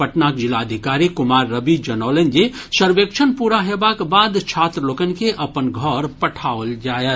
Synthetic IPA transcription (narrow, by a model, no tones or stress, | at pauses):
pəʈnakd͡ʒilaəd̪ʱikaːɾikʊmaːɾːəbid͡ʒɐnɔːlend͡ʒe | səɾʋekt͡ʃʰənpuːɾaɦebakbaːd̪t͡ʃʰaːt̪ɾəloːkənkeʔɐpənɡʱɔɾpəʈʰaːʋəld͡ʒaːjə